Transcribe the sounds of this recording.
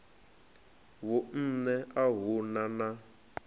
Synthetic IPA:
wʊn̩nɛʔaɦunana

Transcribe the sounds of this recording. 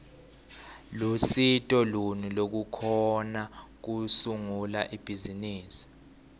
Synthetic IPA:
lusitʼɔlunilok̬ukʰɔnak̬usuŋulaʔib̥ʱiziniːsi̥

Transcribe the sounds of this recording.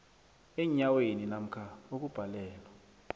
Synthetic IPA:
eɲaweninam̩kʰaok̬ub̥ʱalɛːlwa

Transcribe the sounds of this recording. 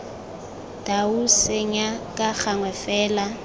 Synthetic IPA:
dausɪɲakʼak͡xaŋwɛfɛːla

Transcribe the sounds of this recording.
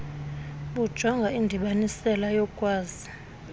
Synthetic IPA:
ɓud̥ʒ̥ʱɔŋɡʱaindʱiɓanisɛlajɔkʼwaːzi

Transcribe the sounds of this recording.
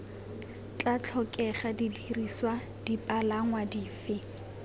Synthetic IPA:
t͡ɬʼat͡ɬʰɔkʼɛχadidiriswa | d̥ipʼalaŋwadiːfɪ

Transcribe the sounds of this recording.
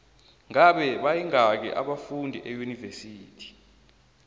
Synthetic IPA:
ŋaɓɛɓajiŋak̬ɛ̰ʔa̰ɓafundʱiʔejunivesiːtʰi̥

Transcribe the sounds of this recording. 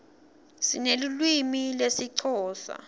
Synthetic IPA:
sinelulwimilesiǀʰɔːsa̰

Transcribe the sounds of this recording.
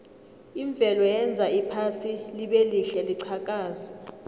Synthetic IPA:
iɱb̪vʱɛlɔjɛnd͡zʱaipʰasiliɓeliɬɛliǀʰakʼaːza

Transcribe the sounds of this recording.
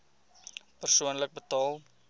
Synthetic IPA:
pərsuənlək̚bətɔlˠ

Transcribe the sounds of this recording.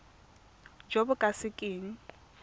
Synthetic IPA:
d͡ʒobʊkʼasɪkʼɪːŋ̩

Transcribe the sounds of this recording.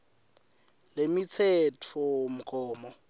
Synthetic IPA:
lemit͡sʰɛtʰom̩kʼɔːmɔ

